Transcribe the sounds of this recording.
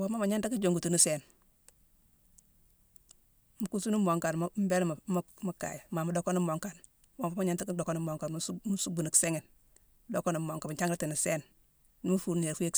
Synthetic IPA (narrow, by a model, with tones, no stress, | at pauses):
wo˨˦ma˦ma˨ɲa˦nta˦ki˦d͡ʒo˨ŋɡu˨tu˨ni˦se˨n | mu˨ku˦su˦nu˦mo˨ŋka˨n˦m˦be˦lm˨m˦mu˦kːa̰˨jmaː˨mu˦do˦ko˦ni˦mo˨ŋka˨n | wa˨mfa˦ma˦ɲa˦nta˦ki˦do˨ko˦ni˦mo˨ŋka˨nm˦mu˦su˦bu˨ni˨kse˦ŋe˨n˦ | do˦ko˦ni˨mo˨ŋka˨bt͡ʃa˦ŋɡɾa˦ti˨ni˨se˦n | ni˦mu˦fu˨ɾn˨e˨ɾfu˦je˦k